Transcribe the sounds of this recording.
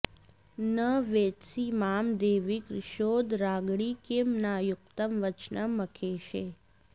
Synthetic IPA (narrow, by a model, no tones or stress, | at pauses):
nəʋet̪simamd̪eːʋikɾɪʃod̪ɾaːɡɽikemnajʊk̚t̪əmʋət͡ʃnəməkʰeʃe